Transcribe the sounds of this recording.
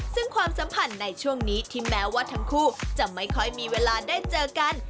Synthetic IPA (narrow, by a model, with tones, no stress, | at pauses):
sɯ˥˩ŋkʰwaː˧msa˩˦mpʰa˧nːa˧jt͡ɕʰu˥˩əŋniː˦˥t̪ʰi˦˥mːɛː˦˥waː˥˩t̪ʰa˦˥ŋkʰuː˥˩t͡ɕa˨˩ma˥˩jkʰɔ˥˩jmiː˧weː˧laː˧daː˥˩jt͡ɕɤː˧ka˧n